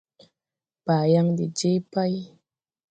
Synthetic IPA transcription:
b̥aː˨ja˦ŋde˨d͡ʒe˦pa˦j

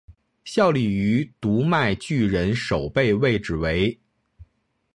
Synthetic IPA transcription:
ɕjɑ˥˧ʊli˥˩y˧˥t̪u˧˥ma˥˧ɪt͡ɕy˥˩ɻə˧˥nʂo˨˩ʊpe˥˧ɪwe˥˩ɪʈ͡ʂɻ̩˨˩we˧˥ɪ

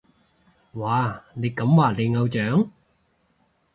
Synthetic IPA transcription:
waː˨˩ne˨˧jkɐ˨˥mwaː˨˩le˨˧jŋɐ˧wt͡ʃœː˨˥ŋ

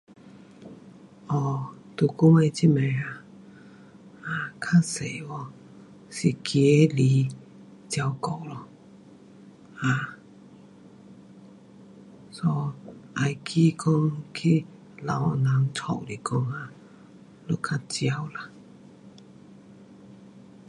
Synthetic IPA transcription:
ʔɔ˧˩t̪u˨˩ku˥˦ŋe˧t͡ɕʰi˦me˨˩a˧ | a˨˧kʰa˥se˨˩˨wɔ˧ | si˨˩kje˨˦li˨˧˦ | t͡ɕja˧wko˨˩wlɔ˧ | a˨˧˩ | sɔ˧ʔa˧jkʰi˧˦kɔ˧ŋkʰi˧ | la˨˦˧na˨˦ŋt͡sʰɔ̰˨˩˨li˨˩kɔ˧˥ŋa˧ | lu˦˥kʰa˧˥t͡ɕja˧wla˧

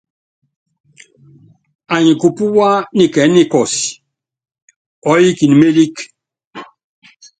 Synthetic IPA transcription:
a˨ɲĩ˨ku˨pu˦wa˦ni˨kɛ˨˦ni˦kɔ˨si̥˨ | ɔ˨˦ji˦ki˨ni˨me˦li˦k

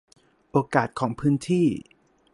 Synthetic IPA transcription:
ʔoː˧˩kaː˨˩t̪̚kʰɔː˩˦ŋpʰɯː˦˥nt̪ʰiː˥˩

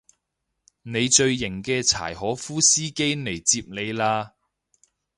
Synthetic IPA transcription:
ne˨˧jt͡ʃɵ˧ɥːɪ˨˩ŋkɛː˧t͡sʰa̰ː˨˩jɦɔː˨˥fuː˥siː˥ke˥jne˨˩jt͡siː˧p̚ne˨˧jlaː˧

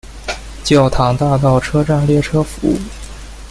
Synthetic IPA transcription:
t͡ɕjɑ˥˩ʊt̪ʰɑ˧˥ŋt̪a˥˧t̪ɑ˥˩ʊʈ͡ʂʰɤ˥ʈ͡ʂa˥˧nljɛ˥˩ʈ͡ʂʰɤ˥fu˧˥˦

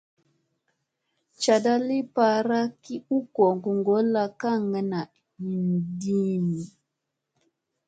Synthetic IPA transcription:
t͡ʃa˨da˦li˦pa˨ɾa˦ki˦u˦kɔ˨ŋɡu˨ŋɡɔ˨˦la˦ka˦˨ŋa˨na˨ | hi˨ndi˦ni˨

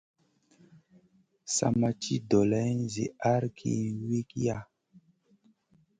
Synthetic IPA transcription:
sa̰˨˧ma˧t͡ʃi˦do˨la˦n˦˨zḭ˨a˦ɾkʰḭ˨wi˦ki˦ja˨

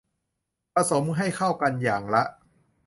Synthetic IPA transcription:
pɾa˧so˩˦mɦa˥˩jkʰa˥˩wka˧njaː˨˩ŋla˦˥ʔ

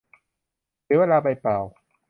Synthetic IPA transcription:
sweː˧laː˧pa˧jpaː˨˩w

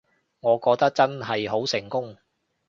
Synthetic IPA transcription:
ŋɔː˨˧kɔː˧k̚t̪ɐ˥k̚t͡sɐ˥nɦɐ˨jɦo˨˥wsɪ˨˩ŋkʊ˥ŋ

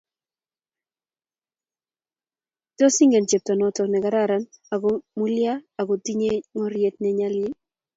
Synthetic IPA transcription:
tɔ˦si˦ŋɡɛ˨nt͡ʃe˨p̚tɔ˨nɔ˨tɔ˨nɛ˨ɡa˨˦ɾa˦˨ɾa˨na˨ɡɔ˨mu˦lja˦a˨ɡo˨ti˦ɲe˦ŋɔ˦ɾje˦t̪̚nɛ˦ɲa˦lɪ˦

